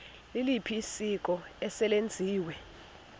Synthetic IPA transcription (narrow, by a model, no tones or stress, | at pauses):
lilipʰiːsik̬ʼɔɛsɛlend͡zʱiːwɛ